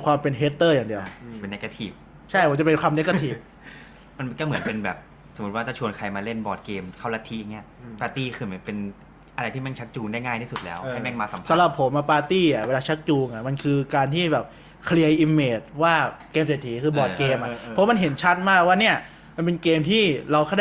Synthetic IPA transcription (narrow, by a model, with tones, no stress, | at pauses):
kʰwaː˧mpe˧nɦeː˦˥t̪ːɤː˥˩jaː˨˩ŋdi˧əwpe˧nːe˦˥kːa˧t̪ʰi˨˩p̚ | t͡ɕʰa˥˩jʰt͡ɕa˨˩pe˧nkʰwaː˧ne˦˥kːa˧˥t̪ʰiː˨˩p̚ | ma˧n˧nkɔː˥˩mɯ˩˦ənpe˧nbɛ̰ː˨˩p̚ | so˩˦mu˦t̪̚waː˥˩a˥˩t͡ɕʰu˧ənkʰa˧jmaː˧le˥˩nbɔː˨˩t̪̚keː˧mkʰa˥˩wla˦˥t̪ʰi˦˥ʔa˨ŋːni˦˥ɐ˩paː˧t̪iː˥˩kʰɯː˧ma˨˧˩pe˧n | ʔa˧ɾa˧jt̪ʰiː˥˩mɛ˥˩ŋt͡ɕʰa˦˥k̚t͡ɕuː˧ŋdaː˥˩jŋaː˥˩j̪ʰiː˥˩su˨˩t̪̚lɛ̰ː˦˥wha˥˩jmɛ˥˩ŋmaː˧sa˨˦sa˨˦mɾa˨˩pʰːo˩˦mʔa˧˩paː˧t̪iː˥˩a˨˩weː˧laː˧t͡ɕʰa˦˥k̚t͡ɕuː˧ŋʔa˨˩ma˧nkʰɯː˧kaː˧nt̪ʰiː˥˩bɛː˨˩p̚ | kʰli˧əjʔi˧mːeː˨˩t̪̚waː˥˩keː˧mseː˨˩t̪ʰːiː˩˦kʰɯː˧bɔː˨˩t̚keː˧mʔa˨˧˦wma˧nɦe˩˦nt͡ɕʰa˦˥t̪̚maː˥˩k̚waː˥˩ni˦˥˩ɐ | ma˧np̬e˧nkeː˧mt̪ʰiː˥˩ɾa˧wxʰa˥˩